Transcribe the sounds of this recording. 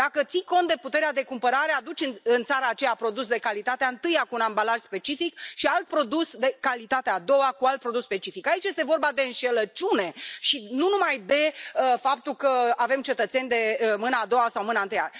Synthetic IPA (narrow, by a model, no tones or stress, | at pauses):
d̪̥akət̪siko̞nt̪d̪e̞put̪e̞ɾead̪e̞kumpəɾaɾe̞ad̪ut͡ʃʲɨnɨnt̪saɾaːt͡ʃe̞japɾo̞d̪usd̪e̞kalit̪at̪eaɨnt̪ɨjakuːnambalaʒ̥spe̞t͡ʃifikʃialt̪̚pɾo̞d̪usd̪e̞kalit̪at̪ead̪o̞wakualt̪̚pɾo̞d̪uspe̞t͡ʃifikait͡ʃjest̪e̞vo̞rbad̪e̞ɨnʃe̞lət͡ʃune̞ʃinunumajd̪e̞əfap̚t̪ulkəave̞mt͡ʃe̞t̪ət̪se̞nʲd̪e̞mɨnaːd̪o̞wasawmɨnaɨnt̪ɨja